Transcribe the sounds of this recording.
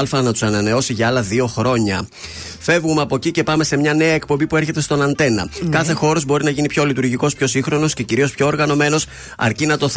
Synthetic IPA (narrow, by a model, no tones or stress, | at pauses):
lfɐnɐt̪u̥sɐnɐne̞o̞siʝɐɐlɐðio̞xɾo̞ɲɐ | fe̞vɣumeɐpo̞cice̞pɐme̞se̞mɲɐne̞ɐe̞k̚po̞mbipue̞ɾçet̪e̞st̪o̞nɐnt̪e̞nɐ̰kɐθe̞xo̞ɾo̞zbo̞ɾinɐʝinipço̞lit̪uɾʝiko̞spço̞siŋxɾo̞no̞sce̞ciɾio̞spço̞ːɾɣɐno̞me̞no̞s | ɐ̰ɾcinɐt̪o̞θ